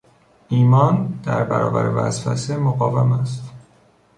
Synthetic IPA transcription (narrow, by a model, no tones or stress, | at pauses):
ʔiːmɒːnd̪̥æɾbæɾɒ̰ːbæ̰ɾevæ̰zfæsemoɣɒːvemæst̪